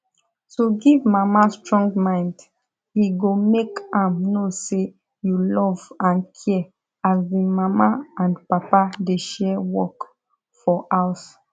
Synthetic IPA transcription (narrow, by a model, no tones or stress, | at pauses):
soɡivmamastɹɔ̃ŋɡmãɪ̃nd | hiɡomekãmnose | julɔvãnkʰɛ | azwimamaãnpapadeʃɛwɔk | fɔʔas